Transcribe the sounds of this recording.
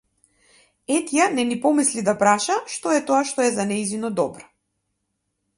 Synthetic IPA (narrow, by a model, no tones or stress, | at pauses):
ɛt̪janɛnipɔmislid̪apɾaʃaʃt̪ɔɛt̪ɔaʃt̪ɔɛzanɛizinɔd̪ɔbɾɔ̥